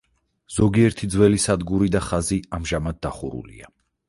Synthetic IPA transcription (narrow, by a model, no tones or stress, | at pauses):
z̥ɔɡiɛɾt̪ʰid̪zwɛlisad̪ɡuɾid̪aχaziamʒamad̪̚dːaχṵɾṵlḭa